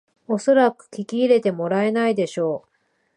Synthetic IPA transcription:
o̞so̞ɾakɯ̟̥kʲikʲiːɾe̞t̪e̞mo̞ɾae̞naid̪e̞ɕo̞ː

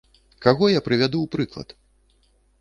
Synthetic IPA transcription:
kaɣɔjapɾɨvʲad̪uwpɾɨklˠɐ̰t̪

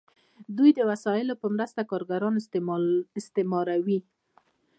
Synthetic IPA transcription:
d̪ujd̪əwasɑjɪlopəmɾəst̪akɑɾɡaɾɑn | ɪst̪ɪmɑɾawi

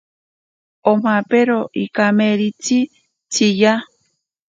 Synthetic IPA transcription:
om̥apeɾoʔikameɾit͡si | t͡sʰija

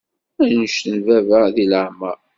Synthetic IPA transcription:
æjnəʃtənvævəðiləʕmæ

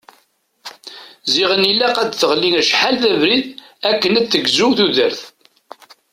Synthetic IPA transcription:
ziʁənilːæqæd̪θəʁlːiŋæʃħalðævɾið | ækːənæd̪θəɡzuwθuðəɾθ

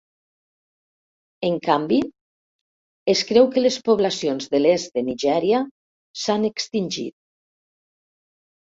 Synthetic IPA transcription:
eŋkambi | eskɾɛwkəlespoβlasionzðəlezd̪əniʒɛɾia | sanekst̪inʲʒḭt̪̚

